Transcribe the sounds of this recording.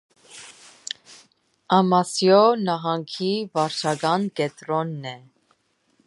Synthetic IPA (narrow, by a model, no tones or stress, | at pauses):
ɑmɑsjɔnɑɦɑŋkʰivɑɾt͡ʃʰɑɡɑnkɛt̪ɾɔnːɛ